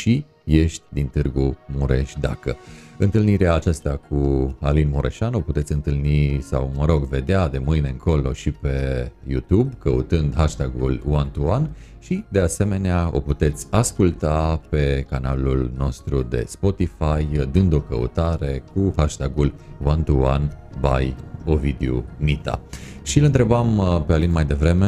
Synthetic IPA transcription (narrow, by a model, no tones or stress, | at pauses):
ʃi | je̞ʃt̪ʲd̪int̪ɨrɡumuɾe̞̰ʃʲd̪a̰kəɨnt̪ɨlniɾeaːt͡ʃast̪akʰualinmuɾʔḛʃano̞put̪et̪sʲɨnt̪ɨlnisa̰wməɾo̞ɡve̞d̪ead̪e̞mɨjne̞ɨŋkʰo̞lo̞ʃipe̞jṵt̪ubkəṵt̪ɨnd̪ɦaʃt̪aɡuluant̪uan | ʃid̪e̞ase̞me̞neao̞̰put̪e̞t̪sʲaskult̪ape̞kanalulno̞st̪ɾud̪e̞̰spo̞t̪ifajd̪ɨnd̪o̞kə̰ṵt̪aɾe̞kuhaʃt̪aɡulwant̪ua̰nba̰jovid̪eumit̪a̰ʃilɨnt̪ɾe̞bampealinmajd̪e̞vɾe̞me